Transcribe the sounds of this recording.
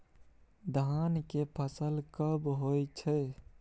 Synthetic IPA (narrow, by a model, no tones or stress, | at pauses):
d̪aːnkepʰəsəlkəbɦojt͡ʃʰə